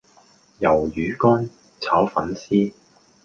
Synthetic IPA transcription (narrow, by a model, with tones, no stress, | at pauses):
jɐ˨˩wjyː˨˥kɔː˥n | t͡sʰaː˨˥wfɐ˨˥nsiː˥